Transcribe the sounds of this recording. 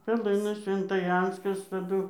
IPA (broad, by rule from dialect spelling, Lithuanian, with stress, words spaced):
pʲɛˈlˠɨnɐs sʲʋʲɛntɐˈjɛnskɐs tɐˈdʊ